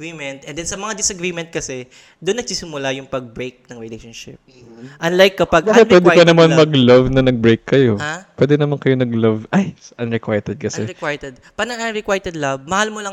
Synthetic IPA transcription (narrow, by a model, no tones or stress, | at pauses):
ɾimɛnt̪̚ʔɛnd̪ɛnsɐmɐŋad̪ɪsɐɡɾiːmɛnt̪̚kɐsɛ | d̪ʊnːɐɡ̚siːsɪmʊlajʊŋpɐɡ̚bɾejk̚nɐŋɾɪlejʃonʃɪ̰p | ʔɐnlajkːɐpaɡbakɛwɛd̪ɛpɐnɐmanmɐɡlɐvnɐnɐɡ̚bɹejkːɐjopwɛd̪ɛnɐmankɐjonɐɡlɐvʔajsʔɐnɹɪkwajt̪ɛd̪̚kɐsɛɪkwajt̪ɛd̪̚pɐɡnɐŋʔɐnɾɪkwajt̪ɛd̪lɐvmɐhalmolɐ